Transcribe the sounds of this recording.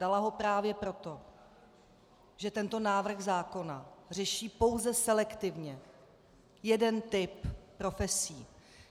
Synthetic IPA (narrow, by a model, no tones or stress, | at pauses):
dalaɦo̞pɾaːvjɛpɾo̞t̪o̞ | ʒɛt̪ɛnt̪o̞naːvr̩xzaːko̞nar̝ɛʃiːpo̞wzɛsɛlɛkt̪ɪvɲɛ | jɛdɛnt̪ɪppɾo̞fɛsiː